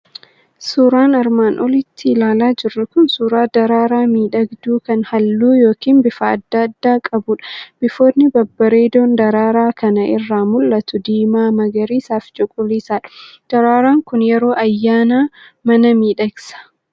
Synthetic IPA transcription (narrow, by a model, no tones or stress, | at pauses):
suːɾaːnɐɾmaːnʔɔlɪt̪ʰːɪlaːlaːd͡ʒɪrːʊkʊnsuːɾaːd̪ɐɾaːɾaːmiːᶑɐɡd̪uːkɐnhɐlːuːjo̞ːkiːnbɪfɐ̰ːd̪ːɐd̪ːaːkʼɐbʊᶑɐ̥b̥ɪfo̞ːnːɪbɐbːɐɾeːd̪oːnd̪ɐɾaːɾaːkɐnɐʔɪrːaːmʊlːɐt̪ʊd̪iːmaːmɐɡɐɾiːsaːft͡ʃʼʊkʼʊliːsaːᶑɐ̥d̪̥ɐɾaːɾaːŋkʊnjɛɾo̞ːʔɐjːaːnaːmɐnɐmiːᶑɐɡsɐ̥